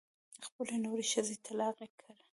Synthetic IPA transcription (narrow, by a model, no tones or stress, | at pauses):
xpəlenoɾeʃəzet̪ʰalɑqekʰaɾ